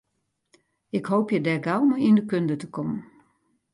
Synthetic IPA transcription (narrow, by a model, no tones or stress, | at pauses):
ɪkhowpjədɛɡawməindəkøndətəkɔmən